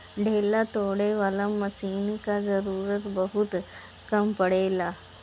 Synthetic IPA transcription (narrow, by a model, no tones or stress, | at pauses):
ɖʱelat̪oɽeʋələmːəsinkad͡zəɾuːɾət̪bəɦut̪ | kəmpəɽela